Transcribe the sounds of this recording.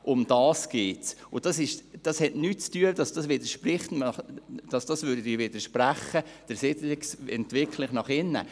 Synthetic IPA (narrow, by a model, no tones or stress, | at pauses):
ʔʊmd̥ɑːsɡ̥eːtsʊd̥ɑsɪʃd̥ɑshɛtnyːt̚t͡styədɑsd̥ɑsʋɪdəɾʃprɪχtnɑχd̥ɑsd̥ɑsvʏːɾdədɪʋɪdəɾʃpræχːəd̥əɾsɪtlɪksɛ̰ntvɪkʰlɪχnɑχɪnːə̰